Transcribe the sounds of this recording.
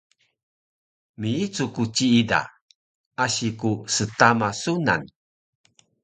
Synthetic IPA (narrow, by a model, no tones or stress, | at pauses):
miit͡sukut͡ɕiida̰ | aɕikusətamasuna̰n